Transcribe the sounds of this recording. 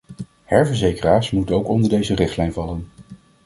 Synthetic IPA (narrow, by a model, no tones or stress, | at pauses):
hɛɹvəɹzejkəraːɹsmutənowkɔndəɹdejzərɪχtlɛjnvɑlən